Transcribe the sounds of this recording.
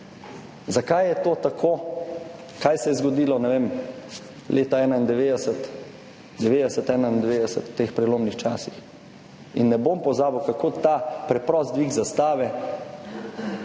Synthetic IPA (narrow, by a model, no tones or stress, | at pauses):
zakajːɛt̪oːt̪akʰoː | kajsɛjɛzɡɔd̪iːlɔnɛʋeːm | lʔeːt̪aɛːnaind̪ɛʋeːd̪ɛsɛt̪ | d̪ɛʋeːd̪ɛsɛt̪ɛːnaind̪ɛʋeːd̪ɛsɛt̪wt̪eːxpɾɛloːmnixt͡ʃaːsix | inːɛbompɔzaːbəwkakoːt̪apɾɛpɾɔst̪d̪ʋiɡzast̪aːʋɛ